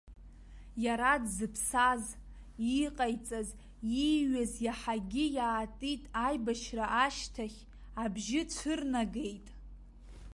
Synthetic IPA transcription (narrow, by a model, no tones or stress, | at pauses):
jaɾadzɨpʰsaz | iqʼajt͡sʼaz | iɥazjaħaɡʲɪjaːtʼitʼajbaʃraʔaʃtʰaχʲ | abʒɪt͡sʷʰɨrnaɡe̞jtʼ